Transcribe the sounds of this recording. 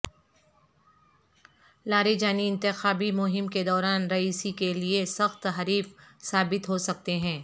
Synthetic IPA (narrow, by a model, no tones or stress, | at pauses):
laːɾed͡ʒaːniɪ̃nt̪ɪxaːbimʊɦɪmked̪ɔːɾaːnɾɐiːsikeliesɐxt̪ɦɐɾiːfsaːbɪt̪ɦosɐk̚t̪eɦɛ̃ː